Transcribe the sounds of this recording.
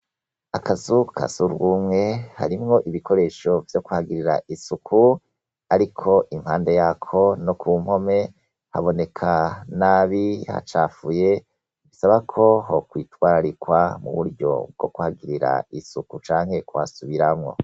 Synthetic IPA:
akʰazukʰa̰zuɾɡuːmŋe̞ha̰ɾimŋo̞ʔiβikʰo̞ɾe̞ːʃo̞vjo̞kuhaɡiɾiɾa̰ʔisukʰu | aɾikʰo̞ʔimhaːnde̞jakʰo̞nokʰuːm̥ho̞me̞ | ha̰βo̞ne̞kʰanaːβiha̰t͡ʃaːfuje̞ | βisaβakʰo̞ɦokwiːtwaːɾaɾikwamṵβuɾɟo̞̰b̚ɡo̞kuhaɡiɾiɾa̰isukut͡ʃaːŋhe̞kwa̰suβiɾamŋo̞̰

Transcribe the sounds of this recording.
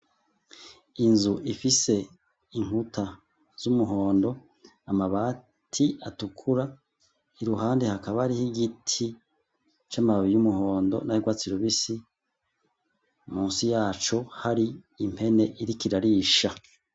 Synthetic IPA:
inzuʔifise̞ | iŋ̥hutʰa | z̥umuɦo̞ːndo̞ | amaβaː | tʰiatukʰuɾa | iɾuhaːndehakaβaɾihiɡitʰi | t͡ʃamaββijumuho̞ːndo̞̰najiɡwaːt͡siɾuβisi | muːnsijaːt͡ʃo̞haɾi | im̥he̞ne̞ʔiɾikiɾaɾiʃa

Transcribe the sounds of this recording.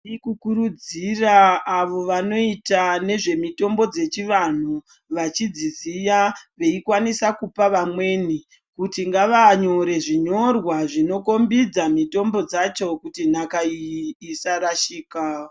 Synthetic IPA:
ikukuɾud͡ziraːʋo̞ʋano̞itane̞ʐe̞mito̞mbo̞d͡ze̞t͡ʃiʋan̤u | ʋat͡ʃid͡zizijaʋe̞ikwanisakupaʋamwe̞ːni | kutiŋɡaʋaɲo̞ɾe̞ʐiɲo̞rwaʐino̞ko̞mbid͡zamito̞mbo̞d͡zat͡ʃo̞kutinakaiːsaɾaʃiːka

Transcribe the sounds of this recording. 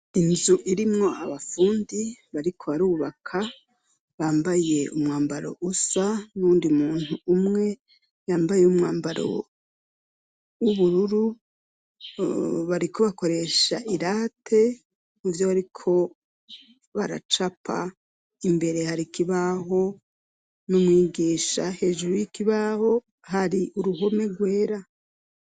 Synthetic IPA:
inzuʔiɾimŋo̞aβafuːndiβaɾikʰo̞βaɾuːβakʰa | βaːmbaje̞umŋaːmbaɾo̞̰ʔusanuːndimuːnhuːmŋe̞ | jaːmbajeumŋaːmbaɾo̞̰ | wuβuɾuɾu | βaɾiko̞βako̞ɾe̞ʃaʔiɾaːtʰe̞ | uvjo̞βaɾikʰo̞ | βaɾa̰t͡ʃapʰa̰ | imbe̞ɾe̞haɾikiβaɦo̞ | numŋiːɡiːʃa̰he̞ʒuɾujikiβaho̞ | haɾiʔuɾuɦo̞me̞ɡwe̞ːɾa

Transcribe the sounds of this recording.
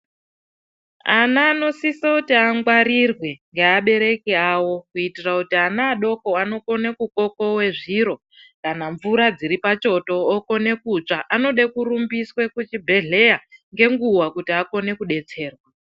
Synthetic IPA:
anaːno̞sisakutiaŋɡwaɾirwe̞ŋɡeaɓe̞ɾe̞keaːwo̞kuitirakutianaːɗo̞ko̞ano̞ko̞nekuko̞ko̞we̞ʐiɾo̞ | kanaɱvuɾad͡ziɾipat͡ʃo̞to̞ːko̞ne̞kut͡ʂaʔano̞ɗekuɾumbiswe̞kut͡ʃibʱe̞ɮe̞jaŋɡe̞ŋɡuwakutiako̞ne̞kuɗe̞t͡se̞ːrwa

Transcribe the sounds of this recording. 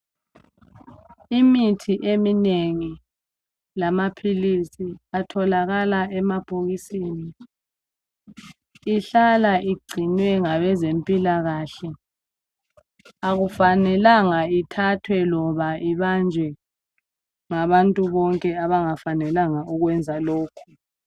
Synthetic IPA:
imitʰiʔemineŋi | lamapʰilisiatʰɔlaɣalaɛmab̥ʱoɣisiːni | iɬalaiɡ͡ǀʱinwɛŋaβɛzempʼilaɣaɬɛ | aɣufanɛlaŋaitʰatʰwɛlɔβaiβand͡ʒʱɛ | ŋaβantʼuβɔŋkʼɛaβaŋafanɛlaŋaʔuɣwɛnd͡zʱaloːkʰu̥

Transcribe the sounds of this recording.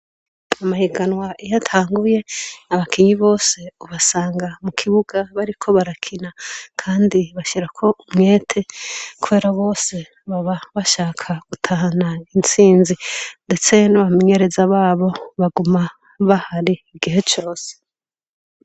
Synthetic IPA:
amahiɡanwaʔijatʰaːŋɡuje̞naβakiɲiβo̞ːse̞uβasaːŋɡamukʰiβuɡaβaɾikʰo̞βaɾakʰinakʰaːndiβaʃiɾakʰo̞umŋe̞ːtʰe̞kuβe̞ːɾaβo̞ːse̞ | βaβaβaʃaːkʰaɡ̥utʰahanaint͡siːnzinde̞t͡se̞naβameɲe̞ɾe̞zaβaːβo̞βaɡuma | βahaɾiːɡiɦe̞t͡ʃo̞ːse̥

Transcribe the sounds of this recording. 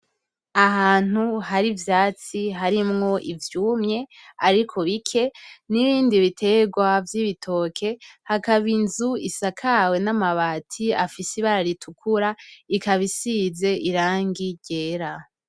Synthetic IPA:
aɦaːn̥uhaɾivjaːt͡siɦaɾimŋo̞ʔivjuːmɲe̞aɾikʰo̞βikʰe̞niβiːndiβitʰe̞ɡwavjiβitʰo̞kʰe̞hakaβinzuisakʰawe̞namaβaːtʰiafisiβaɾaɾitʰukʰuɾaikaβisize̞ʔiɾaːŋɡiɟe̞ːɾa

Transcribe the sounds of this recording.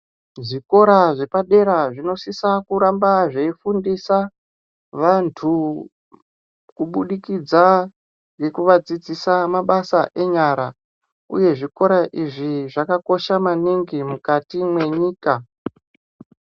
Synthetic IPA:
ʐiko̞ɾaʐe̞paɗe̞ɾaʐino̞sisakuɾambaʐeifundisa | ʋantʰu | kuɓuɗikid͡za | ŋɡe̞kuʋad͡zid͡zisamaɓasaʔe̞ɲaɾa | ṵje̞ʐiko̞ɾaʔiʐiʐakako̞ʃamaniŋɡimukatimwe̞ɲiːka

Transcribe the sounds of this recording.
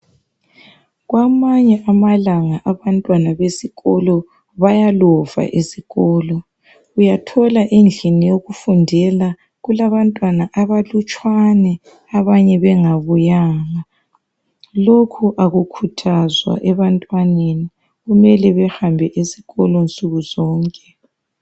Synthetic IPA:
ɣwamaɲɛʔamalaŋaʔaβantʼwanaβesiɣɔlɔ | βajalɔva̰ʔesiɣɔːlɔ | ujatʰɔlaʔend͡ɮʱinijoɣufundʱɛla | ɣulaβantʼwanaʔaβalut͡ʃʼwanɛ | aβaɲɛβɛŋaβujaːŋa | lokʰuʔaɣukʰutʰazwa̰ʔɛβantʼwaneni | ɣumɛlɛβɛxambʱɛʔesiɣɔlɔnt͡sʼuɣuzɔːŋkʼɛ

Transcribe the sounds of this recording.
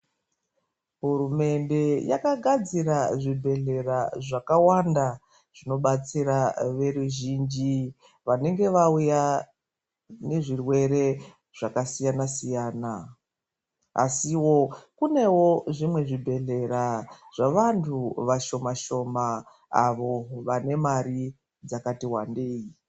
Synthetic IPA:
ɦurume̞nde̞ja̰kaɡʱad͡ziɾaʐibʱe̞ɮe̞raʐakawanda | ʐ̥ino̞ɓat͡siɾaʋe̞ɾuʒiːnd͡ʒi | ʋane̞ŋɡe̞ʋauja | ne̞ʐirwe̞ɾe̞ | ʐ̥akasijanasijaːna | a̰siwo̞kune̞wo̞ʐimwe̞ʐibʱe̞ɮe̞ɾaʐ̥aʋantʰuʋaʃo̞maʃo̞ma | a̰ʋo̞ʋane̞maɾi | d͡zakatiwandeːi

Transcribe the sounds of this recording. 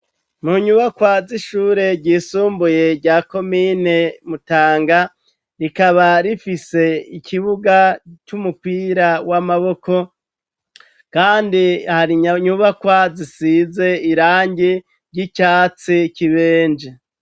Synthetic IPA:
muɲuβakwaziʃuːɾe̞ɟiːsuːmbuje̞ɾɟaːko̞mine̞mutaːŋɡa | ɾikaβaɾifise̞icʰiβuɡat͡ʃumupiːɾawamaβo̞ko̞ | kaːndihaɾiɲɲuβakwazisize̞iɾaːɲɟi | ɾɟicaːt͡siciβe̞ːnd͡ʒe

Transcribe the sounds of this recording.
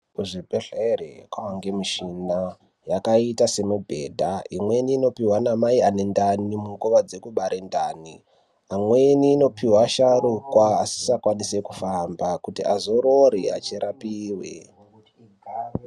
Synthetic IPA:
uʐibʱeɮerḛkwawaŋɡemiʃina | jakaitase̞mubʱe̞̰ːdʱaimwe̞niːno̞piwanamaiane̞ndanimuŋɡuʋad͡ze̞kuɓaɾendaːni | amweniːno̞piɦwaʃarukwaːsi̥sakwanise̞kufambakutiʔazo̞ɾoɾiat͡ʃeɾʔapiːwḛ

